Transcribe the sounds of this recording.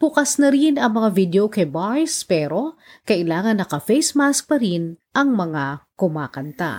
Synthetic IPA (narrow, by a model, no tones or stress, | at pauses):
b̥ʊkɐsnɐɾinɐŋmɐŋavid̪jokɐbajspɛːɾo̞ | kɐʔɪlaːŋɐnːɐkɐfɛjsmask̚pɐɾinʔɐŋmɐŋakʊmaːkɐnt̪a̰